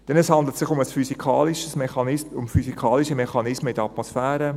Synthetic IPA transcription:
d̥ɛnəshɑnd̪lətsɪχʊməsfysikʰɑːliʃəsmɛχɑnɪsʊmfysikʰɑːliʃəmɛχɑnɪsməidəɑt̪mosfæːɾə

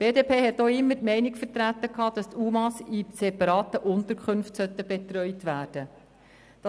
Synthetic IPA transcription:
b̥eːdeːpʰeːɦɛtːoːɪmːətmɛɪnikfəɾtɾætːəkʰhɑːd̥ɑst̪ʰumɑsisɛpɑɾɑːt̪əʔʊnt̪əɾkʰχʏnftsœt̪ːəb̥ɛt̪ɾœʏtʋæːɾd̥ə | d̥ɑ

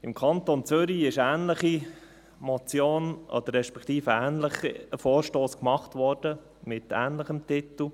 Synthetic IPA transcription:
ɪmkʰɑnt̪ont͡sʏɾiɪʃæːnləχi | mɔt͡sjoːnɔ̰d̪əɾːɛʃpɛkʰt̪iːfəæːnləχəfoːɾʃtoːskmɑχt̪ʋɔɾd̥ə | mɪt̪æːnləχəmtɪt̪l̩

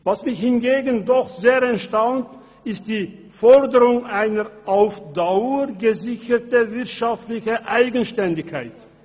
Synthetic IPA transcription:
vasmɪçhɪnɡeːɡən̩dɔxz̥eːʁɛntʃtaʊnt | ɪstd̥iː | fɔʁdəʁʊŋʔaɪnəʔaʊfd̥aʊəɡəzɪçətəvɪʁtʃaftlɪçəʔaɪɡənʃtɛndɪkʰːaɪt

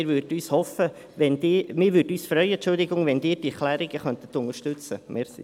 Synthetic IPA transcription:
ɾʋøɾdəyːshɔfə | ʋɛndɪːmɪːɾʋʏːɾdyːsfɾœʏənt͡ʃʊld̪ɪɡʊŋʋɛndɪːɾd̥iɛklæːɾɪɡəχœnt̪ətːʊŋəʃtʏt͡səmɛ̰ːɾsḭ

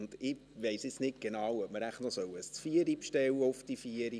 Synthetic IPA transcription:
nd̥ɪ | ʋeɪsɪt͡snɪt̚ɡ̥enɑːwœp̚məɾæχtnɔsœwəsfiːəɾipʃtɛwəɔfd̥ifiəɾi

